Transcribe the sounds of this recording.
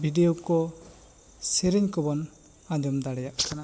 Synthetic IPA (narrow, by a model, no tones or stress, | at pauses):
bʱiɖijɔkɔ | sɛɾɛɲkɔbɔn | ãd͡ʒɔmd̪aɽɛjaʔkana